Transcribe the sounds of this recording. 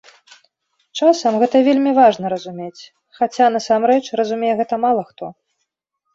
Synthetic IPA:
t͡ʂasɐmɣɛt̪ɐvʲelʲmʲivaʐnɐɾɐzumʲet͡sʲ | xat͡sʲan̪ɐsamɾɛt͡ʂrɐzumʲejɛɣɛt̪ɐmalˠɐxt̪ɔ

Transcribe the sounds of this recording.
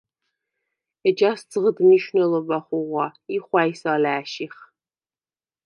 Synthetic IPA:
ɛd͡ʒaːst͡sɨʁədɨmiʃnɐlɔbɐχʷʊʁʷɑiχʷɑːjsaːlaːʃiχ

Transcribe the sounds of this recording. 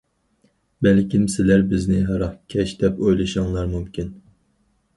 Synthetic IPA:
bɛlkʲʰimsɪlæɾbɪznɪɦɑɾɑχkʲʰɛʃd̪ɛpojlˠɨʃɑŋlˠɑɾmumkʲʰin

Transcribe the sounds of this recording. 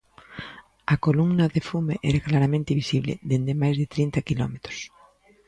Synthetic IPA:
akolumnaðefumḛʔɛ̰ɾaklaɾamẽnt̪iβisiβlḛðend̪emajzðet̪ɾint̪akilɔmet̪ɾo̥s

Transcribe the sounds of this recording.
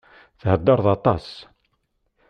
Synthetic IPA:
θhəd̪ːɑɾˤðɑt̪ˤɑs

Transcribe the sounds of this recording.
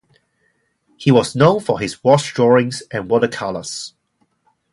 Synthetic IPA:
hiwɔznõʊ̃nfəɪzwɔsdɹɔɹɪ̃ŋzʔɨ̃nwɔɾəkʰalˠə̰s

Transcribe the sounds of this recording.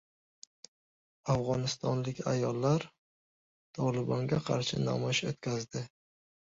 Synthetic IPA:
afʁɒnɪst̪ʰɒnlɪkʲa̰jɒlˠːaɾ | t̪ʰɒlɪbɒŋɡʲaqʰɑɾʃɪna̰mɒʃot̪kʲʰazd̪ɪ

